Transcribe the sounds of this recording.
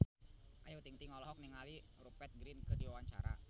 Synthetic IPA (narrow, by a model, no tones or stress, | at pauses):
ʔajat̪iŋt̪iŋɔlɔɦɔk̚niŋaliɾupɛt̪̚ɡɾɪnkɨrdiwawaɲt͡ʃa̰ɾa̰